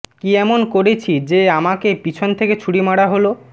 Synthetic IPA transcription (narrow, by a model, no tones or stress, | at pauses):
kiɛmonkoɾet͡ɕʰid͡ʑeamakepit͡ɕʰont̪ʰeket͡ɕʰuɽimaɽaɦolo